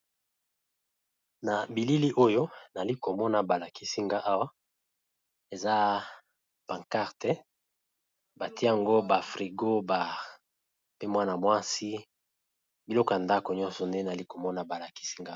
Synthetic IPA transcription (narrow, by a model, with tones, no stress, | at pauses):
na˨bi˨li˦li˦ʔo˦jo˦na˨li˦ko˨mɔ˦na˨ba˨la˨kʰi˦si˦ŋɡa˦ʔa˦wa˦ | e˨za˦ | pa˨ŋka˦ʁte˦ | ba˨ti˦a˨ŋɡo˦ba˨fʁi˨ɡo˦ba˨ | pe˦mwa˦na˨mwa˦si˦ | bi˨lɔ˦kɔ˨a˨nda˦ko˨ɲɔ̃˦nsɔ˨nde˦na˨li˦ko˨mɔ˦na˨ba˨la˨ki̥˦si˦ŋɡa˦